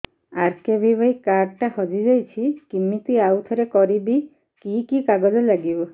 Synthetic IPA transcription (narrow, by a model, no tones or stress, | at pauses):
aɾkebʱibɔjkaɾʈahɔd͡ʒid͡ʒajt͡ʃʰikimːit̪iawt̪ʰɔɾekɔɾibi | kikikaɡɔd͡ʒɔlaɡibɔ